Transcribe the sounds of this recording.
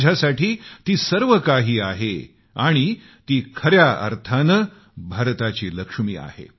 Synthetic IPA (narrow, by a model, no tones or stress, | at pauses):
d͡ʑʱasaʈʰiːt̪iːsəɾʋəkaɦiːaɦe | aɽ̃i | t̪iːkʰəɾjaə̰ɾt̪ʰanə | bʱaɾt̪at͡ɕiːləkʂmiːa̰hḛ